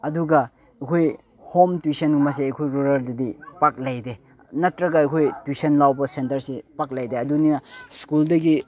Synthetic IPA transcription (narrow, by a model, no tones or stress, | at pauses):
ɐduɡɐ | ɐkʰoj | homtusenmɐs̬eɐkʰojɾuɾɐɾdɐdipak̚lajde | nɐtɾɐɡɐːjkʰojtusɐnlawbɐsentɐɾsepak̚lajdeɐduninɐskuldɐɡi